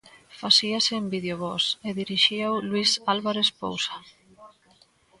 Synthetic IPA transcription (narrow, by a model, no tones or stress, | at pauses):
fasiasɪːmbiðeoβɔseðiɾiʃiawlwisalβaɾespo̰wsḁ